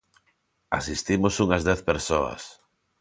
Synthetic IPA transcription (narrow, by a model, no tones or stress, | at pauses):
a̰sist̪imosuŋɐzðɛθpeɾsoɐ̰s